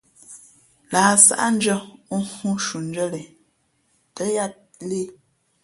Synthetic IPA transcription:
laː˨sa̰˦ʔa̰˦n˦d͡ʒə˦hu˦ʃu˨nd͡ʒə˦lɛ˨ | tə˨˦ja˦t̚ | le˦

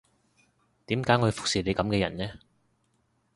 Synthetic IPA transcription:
t̪iː˨˥mkaː˨˥jŋɔ˧fʊ˨k̚siː˨ne˨˧kɐ˨˥mkɛː˧jɐ̰˨˩nnɛ˥

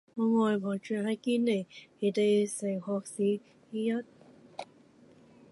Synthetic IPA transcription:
ŋɔː˨˧ŋɔː˨jpʰɔː˨˩t͡ʃyː˨˩hɐ˨˥jkiː˧˥nːe˨˩jpe˨˩t̪e˨˧jse˨˩jhɔː˧˨k̚siː˨˥ | hi˧˥jɐ˥t̚

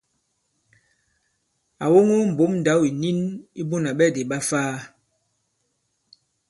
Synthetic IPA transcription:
a˨wo˦ŋo˦m̩˨bo˨˦mn˨da˨˦wi˨ni˦ni˦bo˦na˨ɓɛ˦˨de˨ɓa˦faː˦

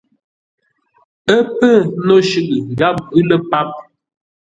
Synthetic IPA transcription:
ə˦pə˦˨˦no˦ʃʉ˨ʔɨ˨ŋ˨ɡa˦p̚ːʉ˦lə˦pa˦p̚

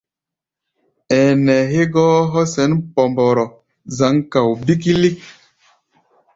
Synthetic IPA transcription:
ɛː˨nɛ˨ɦe˦ɡɔː˦ɦɔ˦sɛ˨˦npɔ˨mbɔ˨ɾɔ˨ | za˨˦ŋka˨wbi˦ki˦li˦k̚

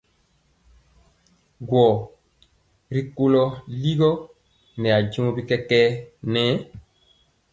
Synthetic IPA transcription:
ɡwɔ˨ | ɾi˦ko˦lɔ˦li˦ɡɔ˦ | nɛ˨a˨d͡ʒĩ˦o˦bi˦kɛ˦kɛ˦nɛ̃˦

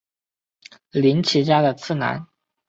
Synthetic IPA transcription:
li˧˥nt͡ɕʰi˧˥t͡ɕja˥d̪ə˨t͡sʰɹ̩˥˩na̰˧˥n

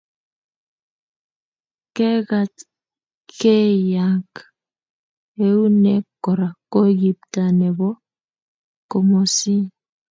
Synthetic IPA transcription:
ke˦ɣa˨t | ke˦ja˦k | e˨u˦ne˦kɔ˨ɾa˨ko˦ɡi˨p̚ta˨nɛ˨βɔ˦ | ko˨mo˨si˦

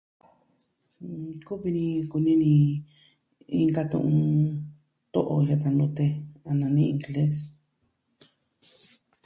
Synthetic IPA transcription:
ku˦βi˧nĩ˧ku˧nĩ˦nĩ˧ | i˧ŋɡa˧t̪ṵ̃˧ʔũ˧ | t̪o˦ʔo˧ja˧t̪̬a˧nd̪ũ˧t̪e˧a˧nã˨˧nĩ˦ĩ˧˨ŋɡle˦s

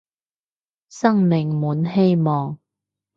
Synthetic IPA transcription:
sɐ˥ŋmɪ˨ŋmuː˨˥nhe˥jmɔː˨ŋ

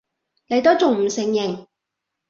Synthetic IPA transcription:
ne˨˧jt̪o˥t͡sʊ˨ŋm̩˨˩sɪ˨ŋjɪ˨ŋ

